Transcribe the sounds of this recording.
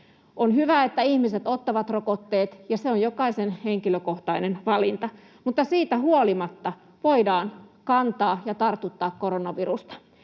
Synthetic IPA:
ʔonhyʋæet̪ːæihmiset̪ot̪ːɑʋɑt̪rokot̪ːeːt̪jɑseonjokɑisenheŋkiløkoht̪ɑinenʋɑlint̪ɑ | mut̪ːɑsiːt̪æhuolimɑt̪ːɑ | ʋoidɑːnkɑnt̪ɑːjɑt̪ɑrt̪ut̪ːɑːkkoɾonɑʋirust̪ɑ̥

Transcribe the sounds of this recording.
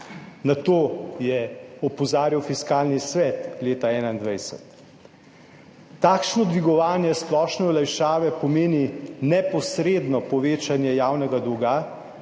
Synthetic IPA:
nat̪oːjɛɔpɔzaːɾjiwfiskaːlnisʋɛt̪leːt̪aɛːnaind̪ʋɛjsɛ̰t̪ | aːkʃnɔd̪ʋiɡɔʋaːnjɛsplɔːʃnɛɔlajʃaːʋɛpɔmeːninɛpɔsɾed̪nɔpɔʋeːt͡ʃanjɛjaːwnɛɡad̪uɡa

